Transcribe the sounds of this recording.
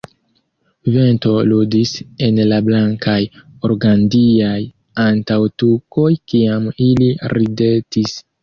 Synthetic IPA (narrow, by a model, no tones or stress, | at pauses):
ve̞nto̞ludise̞nlablaŋkajoɾɡandiaj | antawtuko̞jkiamiliɾide̞tis